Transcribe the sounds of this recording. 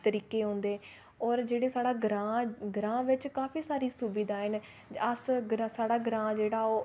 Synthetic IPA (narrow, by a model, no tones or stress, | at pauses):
t̪əɾiːkeːɦõːnd̪eː | ɔːɾd͡ʒeːɽeːsaːɽaːɡɾãːɡɾãːʋɪt͡ʃkaːfʰiːsaːɾiːsuːbiːd̪aːɦɪn | əsɡɾasaːɽaːɡɾãːd͡ʒeːɽaːoː